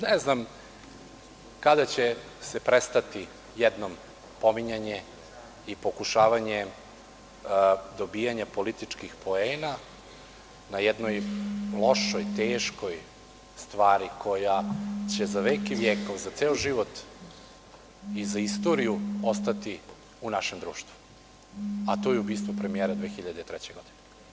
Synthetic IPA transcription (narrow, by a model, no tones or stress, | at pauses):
neznam | kad̪at͡ɕe | sepɾest̪at̪i | jɛd̪nom | po̞miɲaɲe | ipo̞kuʃaːʋaɲe | d̪o̞bijaɲapo̞lit̪it͡ʃkixpʰo̞eːna | najɛd̪nojlˠo̞ʃojt̪eːʃko̞j | st̪ʋaːɾikʰo̞jat͡ɕezaʋekiʋjeːko̞ʋzat̪seoʒiʋot̪ | izaist̪o̞ɾijuost̪at̪i | unaʃemd̪ɾuːʃt̪vu̥ | at̪ojeubiːst̪ʋo̞pɾemijeːɾad̪ʋeːxiʎad̪et̪ɾɛt͡ɕeɡo̞d̪ine